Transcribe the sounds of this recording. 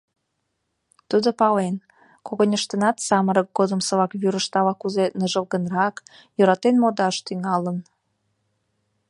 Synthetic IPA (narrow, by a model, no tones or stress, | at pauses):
t̪ud̪opɑlen | koɣonʲəʃt̪ənɑt̪sɑməɾək̚ɡod̪əmsəβɑkβyɾəʃt̪ɑβɑkuzenəʒəlɣənrɑk | jøɾɑt̪enmod̪ɑʃt̪yŋɑlən